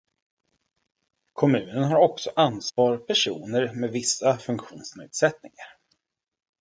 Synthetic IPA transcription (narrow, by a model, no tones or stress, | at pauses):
kʰɔmʉ̟ːnənɦaɾɔksɔʔansvɑːɾpʰæʂuːnəɾmɛd̪vɪsːafɵŋkɧuːnsnḛːd̪sɛt̪nɪŋaɾ